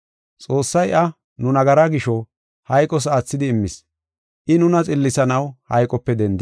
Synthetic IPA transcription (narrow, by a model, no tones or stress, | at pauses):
t͡sʼo̞ːsːɐjʔɐ | nʊnɐɡɐɾaɡɪʃɔ | hɐjkʼɔs̬aːt͡sːɪd̪ɪːmːɪs | ʔɪnʊnɐt͡sʼɪlːɪsɐnɐwhɐjkʼɔpːɛd̪ɛnd̪ɪ